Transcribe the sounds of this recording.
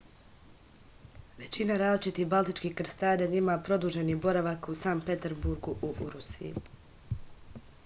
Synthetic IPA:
ʋe̞t͡ɕinaɾaːzlˠit͡ʃit̪ihbalˠt̪it͡ʃkihkɾ̩st̪aːd̪aɲimapɾo̞d̪uʒe̞nibo̞ɾaʋakusanpe̞t̪eɾbuɾɡuʔuʔuɾusijḭ

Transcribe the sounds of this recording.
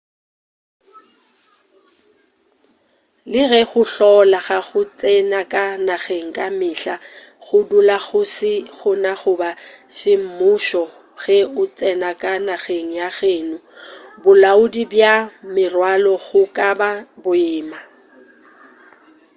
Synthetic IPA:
lɪɣɛɣʊɬɔlaɣaɣʊt͡sʼɛnakʼanaɣeŋ̩kʼamɪɬa | ɣʊdulaɣʊsɪɣʊnaχʊbaʃɪm̩mʊʃɔ | ɣɛʊt͡sʼɛnakʼanaɣeŋ̩jaɣeːnʊbʊlaʊdibjamɪrwalɔɣʊkʼababʊɪːma

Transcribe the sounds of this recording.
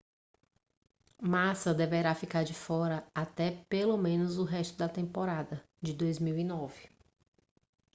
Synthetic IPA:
masɐd̪eveɾafikaɾd͡ʒɪfɔɾɐat̪ɛpelomẽnʊzʊɦɛst̪ʊd̪ɐt̪ẽmpoɾad̪ɐ | d͡ʒɪd̪ojzmiwinɔvɪ

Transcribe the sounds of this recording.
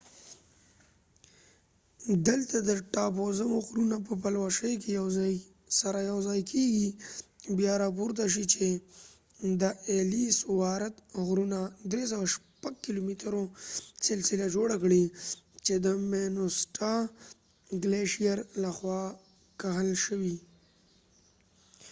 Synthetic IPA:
d̪əlt̪ad̪əʈɑpozamoɣɾunap̬əpalwaʃəjkejaw | saɾajawzɑjkʰeɡibjɑɾɑp̬uɾt̪aʃ̬it͡ʃe | d̪əelisʊwɑɾat̪̚ɣɾunad̪ɾes̬awaʃpaɡ̚kɪlomit̪əɾosɪlsɪlad͡ʒoɽakɽit͡ʃed̪əmenosʈa | ɡleʃijaɾlaxwɑ | kaɦəlʃəwi

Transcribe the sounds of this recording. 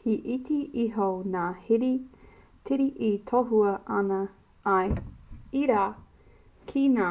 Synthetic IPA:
hiʔitiʔiɦonaːhiɾi | tʰiɾiʔit̪ʰoɦuɐʔɐnɐ | ɐjiɾaː | kʰinaː

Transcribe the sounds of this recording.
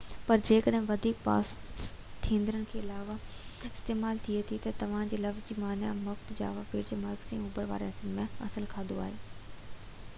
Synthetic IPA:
pɐɾd͡ʑeːkəɗɦɪ̃ʋɐd̪ʱiːk̚pa̰ːs | t̪ʰẽːnd̪ɪɾənɪ̆kʰeːɪlaːʋa | ɪst̪eːmaːlt̪ʰiet̪ʰit̪ɐt̪ɐʋ̤ãːd͡ʑeːlɐfzd͡ʑiːmaːnjamʊxt̪d͡ʑa̰ːʋapiːɾd͡ʑemɐɾɡsĩʊbəɽʋa̰ːɾeɐsɪnmẽɐ̰səlkʰaːd̪oa̰ːɦeː

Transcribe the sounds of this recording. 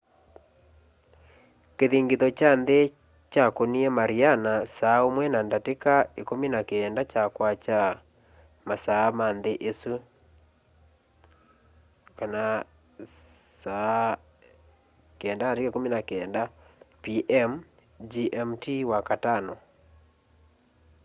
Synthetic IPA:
keðiŋɡiðɔt͡ʃanðe | t͡ʃakoniɛmaɾianasaomwɛnandatekaekominakeːndat͡ʃakwat͡ʃa | masaːmanðeʔesu | kana | sa | keɛndanatekaekominakeɛndapiʔɛm | d͡ʒiʔɛmtiwakatanɔ

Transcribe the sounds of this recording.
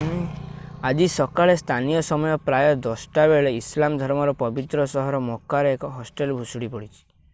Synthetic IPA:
ad͡ʒisɔkaɭest̪ʰanijɔsɔmɔjɔpɾajɔd̪ɔsʈabeɭeislamd̪ʱɔɾmɔɾɔpɔbit̪ɾɔsɔɦɔɾɔmɔkaɾeekɔɦɔsʈelbʱusuɽipɔɽit͡ʃʰi̥

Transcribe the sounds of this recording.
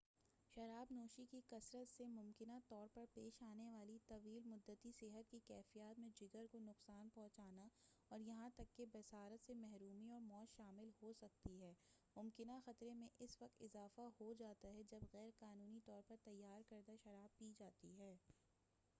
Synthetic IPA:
ʃɐɾaːbnoːʃikikɐsɾət̪semʊ̃mkɪnat̪ɔːɾpɐɾpeːʃaːneʋaːlit̪ɐʋiːlmʊd̪ːət̪iseɦət̪̚kikɛːfijaːt̪mẽd͡ʒɪɡəɾkonʊqsaːnpɔ̃ɦt͡ʃaːna | ɔːɾjɐɦãt̪ɐkːebɐsaːɾət̪semɛɦɾuːmiɔːɾmɔːt̪ʃaːmɪlhosɐk̚t̪iɦɛːmʊmkɪnaxɐt̪ɾemẽʔɪsʋɐq̚t̪ɪzaːfahod͡ʒaːt̪aɦɛd͡ʒɐbɣɛːɾqaːnuːnit̪ɔːɾpɐɾt̪ɐjːaːɾkɐɾd̪aʃɐɾaːb̚piːd͡ʒaːt̪iɦɛː

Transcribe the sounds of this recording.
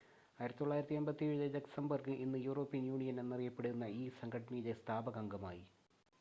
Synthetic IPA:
aːjiɾɐt̪ːit̪ːoɭːaːjiɾɐt̪ːiɐmbɐt̪ːieɻuðedeksɐmbɐrkɨʔinːɨjuːro̞ːpːijɐnjuːɳijɐnenːɐrijɐpːeɽuunːɐiːsɐŋɡʰɐʈːɐniːlest̪ʰaːbɐɡɐŋɡɐma̰ːji

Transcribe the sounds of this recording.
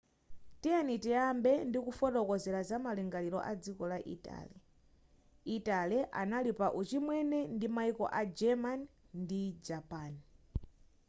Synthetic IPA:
tianitiambɛndikufɔɗɔkɔzɛlazamaliŋɡalilɔ̰ʔad͡zikɔlaʔḭta̰li | italiʔa̰nalipaʔut͡ʃimwɛnɛndimaikɔ̰ʔad͡ʒɛman | ndid͡ʒapaːn

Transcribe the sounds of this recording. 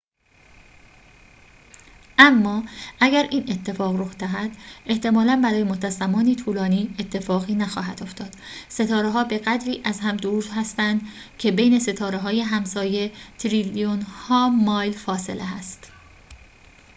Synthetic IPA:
ʔæmːɒːʔæɟæɾiːne̞t̪ʰːe̞fɒːɣroxd̪æɦæd̪̥ʔe̞ht̪e̞mɒːlænbæɾɒːjemot̪ʰæzæmɒːniːt̪ʰuːlɒːniːe̞t̪ʰːe̞fɒːɣiːnæxɒ̰ːɦæd̪oft̪ɒːd̪̥se̞t̪ʰɒːɾeɦɒːbe̞ɣæd̪ɾiːʔæzɦæmd̪ouːd̪hæst̪ænd̪cʰe̞be̞jne̞se̞t̪ʰɒːɾeɦɒːje̞ɦæmsɒːje̞t̪ʰɾilijonhɒːmɒːjlfɒːse̞̰lʔeæst̪

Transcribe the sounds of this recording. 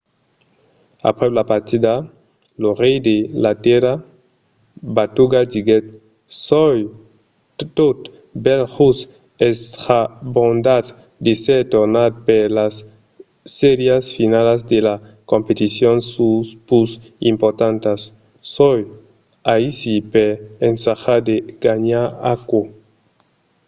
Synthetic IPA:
a̰pɾelapaɾt̪id̪a | lorejd̪elat̪eɾa | bat̪uɡad͡ʒiɡet̪̚ | soj | t̪ot̪ | bɛlsus | est̪ɾabond̪ad̪ | d̪eseɾt̪oɾnad̪̚peɾlasː | ɛɾjasfinalazd̪ela | kompet̪isjonsuspus | impoɾt̪ant̪asː | oj | aisipeɾensaxad̪eɡ̥aɲaɾa̰ko

